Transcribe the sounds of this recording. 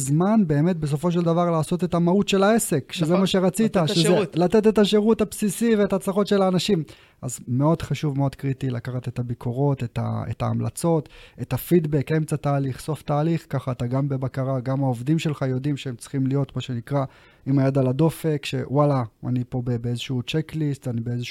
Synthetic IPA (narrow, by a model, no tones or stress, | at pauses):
zmanbe̞ːme̞tbe̞s̬o̞fo̞ʃ̬e̞ld̪avaʁlaːso̞t̪e̞t̪amautʃe̞lae̞se̞kʃezemaʃeʁat͡sit̪aʃeelat̪e̞t̪̬e̞taʃe̞ʁuthapsisive̞ːtat͡slaχo̞tʃelaːnaʃim | ʔazme̞o̞d̪χaʃuvme̞o̞d̪kʁitilakaχat̪e̞t̪abikʰo̞ʁo̞te̞ta̰ḛta̰ːmla̰t͡so̞tetafid̪be̞ke̞mt͡sat̪aːliχso̞ftaːliχkaχaːt̪aɡambebakaʁaɡamaovdimʃe̞lχajo̞dimʃeemt͡si̥χimlijo̞tmaʃe̞nikʁa | imajad̪alado̞fe̞kʃḛwalaa̰nipo̞bebeezeʃut͡ʃeklistanibeezeʃ